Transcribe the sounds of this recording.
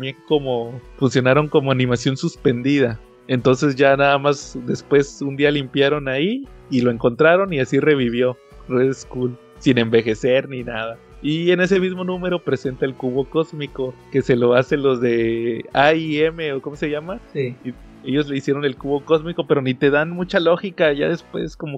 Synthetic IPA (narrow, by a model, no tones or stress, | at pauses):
mjeŋko̞mo̞funsjo̞naɾo̞ŋko̞mo̞anĩmasjo̞nsuspe̞nd̪iða | e̞nt̪o̞nse̞zʝanaðamasd̪e̞spwe̞sund̪ialimpjaɾo̞naiːlo̞e̞ŋko̞nt̪ɾaɾo̞niasire̞βiβ̞jo̞ | reðeskul | sine̞mbe̞xe̞se̞ɾninaða | ie̞ne̞se̞mizmo̞nũme̞ɾo̞pɾe̞se̞nt̪aelkuβo̞ko̞zmiko̞ke̞se̞lo̞ase̞nlo̞zðe̞aieme̞oko̞mose̞ʝamaii | e̞ʝo̞zle̞isje̞ɾo̞ne̞lkuβo̞ko̞zmiko̞pe̞ɾo̞nit̪e̞ðanmut͡ʃalo̞xikaʝa̰ðe̞spwe̞̰skomo